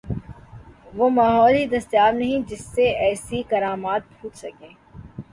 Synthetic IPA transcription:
ʋomaːɦɔːlid̪ɐst̪jaːɾnɐɦĩd͡ʒɪsːeɛːsikɐɾaːmaːt̪̚bʱʰuːt͡ʃsɐkẽː

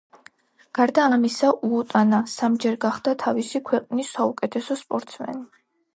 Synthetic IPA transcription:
ɡ̥aɾd̪aːamisaʔuːt̪ʼanasamd͡ʒɛɾɡaχd̪at̪ʰavisikʰwɛqʼnisːaukʼɛt̪ʰɛsɔspʼɔɾt̪sʰmɛ̰ni

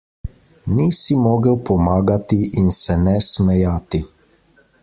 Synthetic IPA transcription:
nisimoːɡəwpɔmaːɡat̪iʔinsɛnɛsmɛjaːt̪i

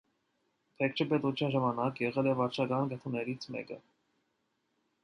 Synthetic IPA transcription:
p̪ʰɛk̚t͡ʃʰəpɛt̪ut͡sʰjɑnʒɑmɑnɑkjɛʁɛlɛvɑɾt͡ʃʰɑkɑnɡət̪ʰunɛɾit͡sʰmɛ̰kə̰

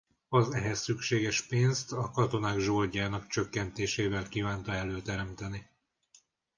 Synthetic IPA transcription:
ɒzɛɦɛsːykʃeːɡɛʃpeːnst̪ɒkɒt̪o̞naːɡʒoːlɟaːnɒkt͡ʃø̞kːɛnt̪eːʃeːvɛlkiːvaːnt̪ɒɛløːt̪ɛɾɛmt̪ɛni

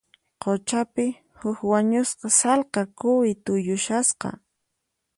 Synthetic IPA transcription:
qot͡ʃapɪ | hʊkwaɲʊsqɑsɑlqɑkʊwɪt̪ʊjʊʃasqɑ̰

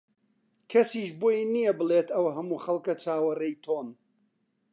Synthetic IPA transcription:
kʰɐsiːʃboːjnijɐbɨleːt̪ɐwɦɐmuːxɐlˠkɐt͡ʃaːwɐrɐjt̪ʰoːn

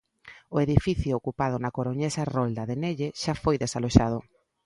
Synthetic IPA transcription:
ʊeðifiθjʊokupað̞ʊnakoɾoɲesarold̪ɐðeneʎeʃafojðesaloʃaðʊ

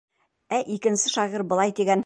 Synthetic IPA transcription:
æʔikɘ̆nsɘʃɑʁiɾbɤ̆lˠɑjd̪eɡʲæn

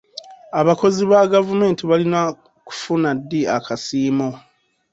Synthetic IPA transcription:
aβako̞ziβaɡavume̞ːntiβalina | ku̥funadːiakʰasiːmo

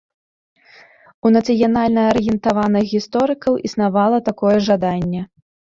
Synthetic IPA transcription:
unɐt̪sɨjanalʲnɐɐɾjɛnt̪avanɨxɣʲist̪ɔɾɨkɐwʔisn̪avalˠɐt̪akɔjɛʐad̪anʲːɛ

